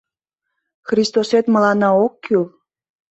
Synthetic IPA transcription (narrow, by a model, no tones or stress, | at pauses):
xrist̪oset̪məlɑnɑokːyl